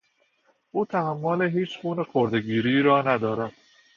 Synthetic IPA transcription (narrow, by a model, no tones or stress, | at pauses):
ʔuːt̪ʰæhæmːoːleɦiːt͡ʃxuːnexoɾd̪e̞ɡiːɾiːɾɒːnæd̪ɒːɾæd̪̥